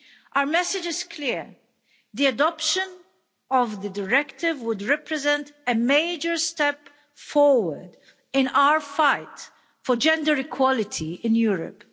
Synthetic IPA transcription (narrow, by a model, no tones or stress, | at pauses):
ʔaəmɛsɪd͡ʒɪz̥kʰliɹ | ðiadɔpʃə̃n | ɔvðədəɹɛktɪvwʊd̪ɹɛpɹɛzɛ̃ntəmeɪd͡ʒəɹstɛp | fɔɹwəɹd̪ | ɪ̃nawəɹfaɪt | fɔd͡ʒɛ̃ndəɹɪkʰwɔlɪtʰiɪ̃njuːɹə̰p